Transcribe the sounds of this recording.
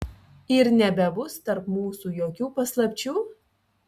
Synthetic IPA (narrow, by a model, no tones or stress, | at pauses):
ɪɾnʲɛbʲɛbʊst̪ɐɾpmuːsuːjoːkʲuːpɐslˠɐpʲt͡ʃʲuː